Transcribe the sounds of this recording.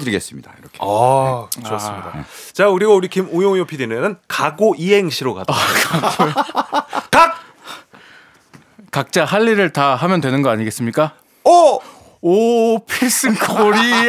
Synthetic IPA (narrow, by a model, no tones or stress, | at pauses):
dɯɭiɡe̞s͈ɯmɲid̥aiɾʌkʰkɯt͡ɕos͈ɯmɲidat͡ɕakɯɾiɡouɾikimujoŋjopʰidinenɯnkaɡoʔiɦe̞ŋɕʰiɾoɡa̰dk | k͈ak̚ | kak̚t͡ɕ͈aɦaʎːiɾɯɭtaɦamjʌndwe̞nɯnɡʌaɲiɡe̞s͈ɯmɲik͈a | ʌ | pʰis͈ɯkʰoɾi